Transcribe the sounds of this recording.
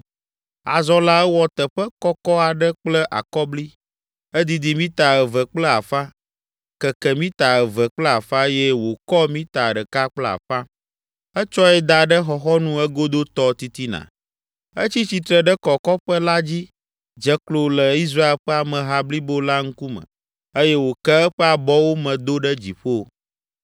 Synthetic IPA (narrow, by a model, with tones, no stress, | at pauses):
a̰˨zɔ˦la˦ɛ˦wɔ˦t̪ə˨ɸə˦kɔ˦kɔ˦a˨ɖə˦k͡plə˦ʔa̰˨kɔ˦bli˦ | ɛ˦d̪i˨d̪i˨mĩ˦t̪a˨ɛ˨və˨k͡plə˦a˨fã˦ | kɛ˨kɛ˨mĩ˦t̪a˨ɛ˨və˨k͡plə˦a˨fã˦jɛ˦wo˨kɔ˦mĩ˦t̪a˨ɖə˨ka˦k͡plɛ˦a̰˨fã˦ | ɛ˦t͡ʃɔ˦ɛ˦d̪a˨ɖɛ˦xɔ˨xɔ˦nũ˦ɛ˦ɡo˦d̪o˦t̪ɔ˦t̪i˦t̪i˦nã̰˨ | ə˦t͡ɕi˦t͡ɕi˨t̪ɾɛ˨ɖɛ˦kɔ˨kɔ˦ɸə˦la˦d͡ʑi˦ | d͡ʒɛ˦klo˨lɛ˨i˦s̬ɾa˦e˦lɸɛ˦a˨mɛ̃˨ɦa˦bli˦bo˦la˦ŋ̩˦ku˦mə̰̃˨ | e˦jɛ˦wo˨kɛ˦ɛ˦ɸɛ˦a˨bɔ˦wo˦mɛ̃˨d̪o˦ɖɛ˦d͡ʑi˨ɸo˦